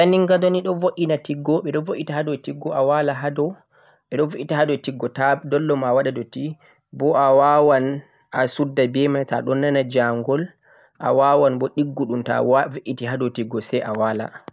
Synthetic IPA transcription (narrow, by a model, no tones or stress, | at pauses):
saniŋɡadɔniɗɔvoʔinatiɡːɔɓɛɗɔvoʔitahadɔtiɡːɔʔawalaɦadɔ | ɓɛɗɔvoʔitaɦadɔtiɡːɔtadɔlːɔmawaɗadɔti | bɔʔawawan | asudːabɛmata̰ɗɔnːanad͡ʒaŋɡɔl | ʔa̰wawanbɔɗiɡːuɗumta̰wviʔitiɦadɔtiɡːɔsɛjʔawala̰